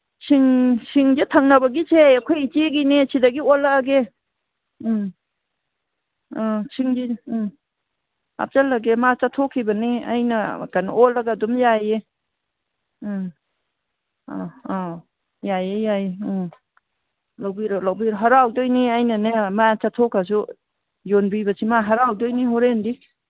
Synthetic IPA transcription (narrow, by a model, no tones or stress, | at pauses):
sʰiŋsʰiŋd͡ʒetʰaŋnɐbɐɡisʰeakʰojit͡ʃeɡinesidaɡiɔlaːɡe | sʰiŋd͡ʒi | a̰p̚t͡ʃalɐɡemat͡ʃatʰɔkʰːibɐnia̰jnɐkanɔlaɡadumjaje | jajejaj | lawbiɾalawbiɾɦaɾawdojniajnanemat͡ʃatʰɔkas̬u | jonbibasʰimaɦaɾawdojniɦɔɾendi